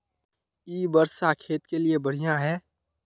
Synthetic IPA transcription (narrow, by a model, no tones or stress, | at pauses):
iːbəɾʃakʰeːt̪keliebəɽ̤ijãɦɛː